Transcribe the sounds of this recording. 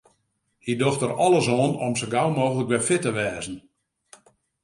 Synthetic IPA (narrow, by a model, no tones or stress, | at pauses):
hidoxtərɔlˠəsoːnomsəɡawmoːɣələkʋɛfɪtəʋɛːzən̩